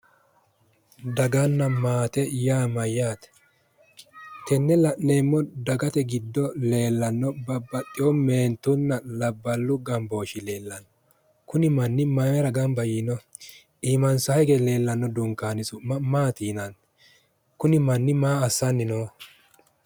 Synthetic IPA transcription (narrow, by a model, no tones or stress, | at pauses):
d̪ɐɡɐnːɐmaːt̪ɛjaːmɐjːaːt̪ɛ̥ | t̪ɛnːɛlɐʔneːmːɔd̪ɐɡɐt̪ɛɡɪd̪ːɔle̞ːlːɐnːɔbɐbːɐt̪ʼːɪɔme̞ːnt̪ʊnːɐlɐbːɐlːʊɡɐmbo̞ːʃɪle̞ːlːɐnː | kʊnɪmɐnːɪmɐɛɾɐɡɐmbɐjinɔ | iːmɐnsɐhɛɡɛle̞ːlːɐnːɔd̪ʊŋkaːnɪsʊmɐmaːt̪iːnɐn | kʊnɪmɐnːɪmaːɐsːɐnːɪnoː